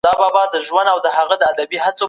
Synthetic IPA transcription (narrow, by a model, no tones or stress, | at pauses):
ɑbɑbɑd̪əʒwand̪awd̪əɦaɣad̪əad̪abiɦat͡so